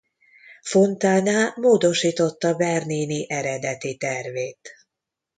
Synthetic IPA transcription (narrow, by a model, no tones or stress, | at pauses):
fo̞nt̪aːnaːmoːd̪o̞ʃiːt̪o̞t̪ːɒbɛrniːniʔɛɾɛd̪ɛt̪it̪ɛrveːt̪